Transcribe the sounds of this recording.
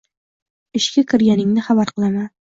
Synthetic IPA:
ɪʃkʲakʲʰɪɾɡʲanɪŋnɪχabaɾqɨlˠaman

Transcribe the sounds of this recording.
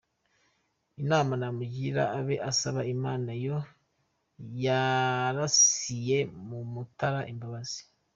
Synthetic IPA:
inaːmanamuɟiɾa̰ːβe̞ʔasaβaimaːnajo̞ | jaɾasije̞mumutaɾaʔimbaβaz̥i̥

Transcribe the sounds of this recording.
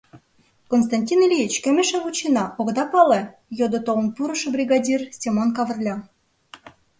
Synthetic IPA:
kons̬t̪ɑnʲtʲinelʲijit͡ɕkæmeʃɑvut͡ɕinɑʔoɣd̪ɑpɑle | jod̪ŏt̪olə̆mpuɾɤ̆ʃɤ̆brʲiɣɑdʲirsʲtʲemonkɑvə̆rlʲɑ

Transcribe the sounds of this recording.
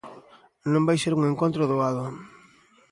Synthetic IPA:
nõmbajseɾuŋeŋkont̪ɾʊðoaðʊ

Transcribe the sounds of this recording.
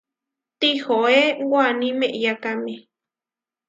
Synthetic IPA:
t̪ihoewwanĩmeʔjakame

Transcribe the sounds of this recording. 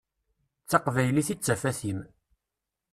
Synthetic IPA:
t͡sːɑqvæjliθit͡sːæfæθim

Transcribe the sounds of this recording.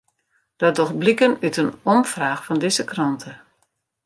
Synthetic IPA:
d̥ɔdɔxblikənytənɔmfraːxfɔndɪzəkrɔntʰə

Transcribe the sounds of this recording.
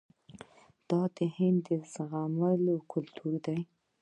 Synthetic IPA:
d̪̥ɑd̪əhɪnd̪ːəzɣaməlokʰʊlt̪ʰuɾd̪aj

